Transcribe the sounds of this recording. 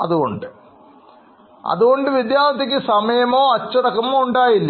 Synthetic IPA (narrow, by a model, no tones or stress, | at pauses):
ɐ̰ðuɣo̞̰ɳɖɨ | ɐ̰ðuɣo̞ɳɖɨʋid̪jaːnɐt̪ːik̬ʲːɨsɐmɐjɐmo̞ːɐt͡ɕːɐɽɐkːɐmoːuɳɖaːjilːɐ